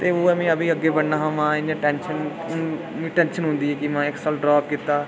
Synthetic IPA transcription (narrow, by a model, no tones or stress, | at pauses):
t̪eːoːɛmĩːəbĩːəɡːeːbəɽnaːɦãːmãːɪnẽʈɛːnʃən | mĩːʈɛ̃ːnʃənɦʊ̃nd̪iːɛːkɪmãːɪksɔːlɖɾaːpkɪt̪ːaː